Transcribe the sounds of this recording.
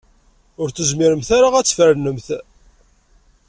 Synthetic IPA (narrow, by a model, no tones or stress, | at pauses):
ʊɾt͡səzmiɾəmθaɾaʁæt͡sːfəɾnəmθ